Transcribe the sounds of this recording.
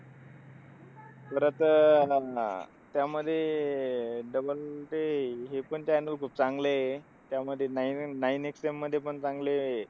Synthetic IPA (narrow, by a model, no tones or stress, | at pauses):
kʰəɾət̪ə | t̪jaməd̪ʱːje | ɖəbəlʈ̪eɦepəɳt͡ɕajnəlkʰuːp̚t͡saŋɡle | t̪jaməd̪ʱːjenainaineksemːəd̪ʱːjepəɳt͡saŋɡle